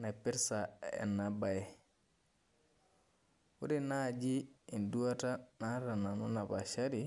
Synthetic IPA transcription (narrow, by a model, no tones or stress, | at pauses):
napiɾsaɛ̰nːabajɛ | wuɾinad͡ʒiinduatanaɾananunabaʃaɾi